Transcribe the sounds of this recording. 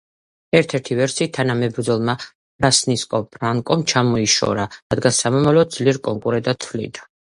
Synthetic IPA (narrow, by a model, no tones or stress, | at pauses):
ɛɾt̪ʰɛɾt̪ʰivɛɾsiːt̪ʰanamɛbɾd̪zɔlˠma | ɾasniskʼɔpʰɾaŋkʼɔmt͡ʃʰamɔiʃɔ̰ɾaɾad̪ɡansamɔmavlɔd̪z̥liɾkʼɔŋkʼuɾɛd̪ʼat̪ʰvlḭd̪ḁ